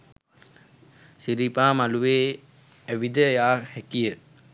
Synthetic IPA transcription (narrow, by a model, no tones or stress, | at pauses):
siɾipaːmaluʋeː | æʋid̪əjaːhɛkijə